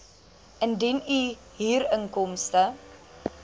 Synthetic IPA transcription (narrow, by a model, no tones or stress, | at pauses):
ʔəndiny | ɦiːɾəŋkɔmstə